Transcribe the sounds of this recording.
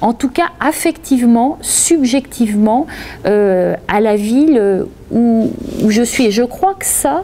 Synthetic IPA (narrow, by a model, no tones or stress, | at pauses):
ɑ̃t̪ukaafɛkt̪ivmɑ̃sybʒɛkt̪ʰivmɑ̃øalavilø | uuʒəsɥieʒəkχwakə̥sa